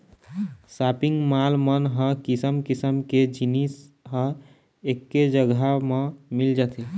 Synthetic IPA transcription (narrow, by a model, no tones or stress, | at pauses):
sapiŋɡmalmənɦə̃kisəmkisəmked͡ʒinisɦə̃ | ekːed͡ʒəɡamemild͡ʒət̪ʰi